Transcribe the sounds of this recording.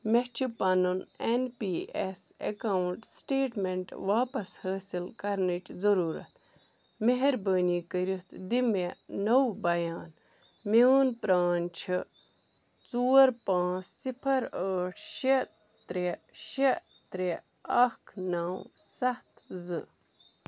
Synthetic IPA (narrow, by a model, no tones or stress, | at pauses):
met͡ʃʰipɐnunenpiːesḛkawɳʈsʈeːʈmeɳʈʋaːpɐshəːsilkɐɾnit͡ʃzɐɾuːɾɐ̰t̪ | meɦɐɾbəːniːkəɾit̪d̪imenɐwbɐjaːn | meunpɾaːnt͡ʃʰi | t͡suːɐɾpãːt͡ssipʰɐɾəːʈʰʃe | t̪ɾeʃe | t̪ɾe | ɐkʰnawsɐht̪zɨ